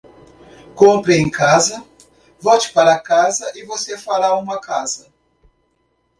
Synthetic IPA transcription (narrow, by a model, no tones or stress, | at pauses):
kõmpɾeẽj̃kazɐ | vɔwt͡ʃɪ̥paɾɐkazɐʔɪvosefaɾaũmɐkazɐ